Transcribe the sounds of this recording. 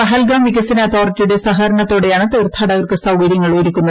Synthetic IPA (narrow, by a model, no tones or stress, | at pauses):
pɐɦɐlɡaːmʋikːɐsɐnɐːt̪ʰoːritʲːiuɽe̞sɐɦɐɾɐɳɐt̪ːoːɽe̞jaːɳɨt̪ɐrt̪ʰaːɽɐɣɐrkɨsɐwɡɐɾjɐŋːɐɭoiɾikʲːunːɐð